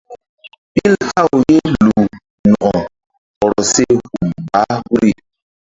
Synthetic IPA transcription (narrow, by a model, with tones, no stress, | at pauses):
pi˦lha˦˨wje˦lu˨ | nɔ˨ʔɔ˨ | ɔ˨ɾɔ˨se˦hu˨mba˨˦wu˦ɾi˦˨